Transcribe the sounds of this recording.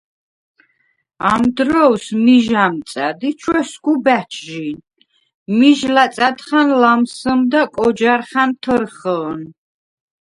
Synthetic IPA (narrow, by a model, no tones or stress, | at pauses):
amd̪ɾɔwsmiʒamt̪sʼad̪it͡ʃʰwɛskubæt͡ʃʰʒin | miʒlat̪sʼad̪χanlamsəmd̪akʼɔd͡ʒaɾχant̪ʰəɾχəːn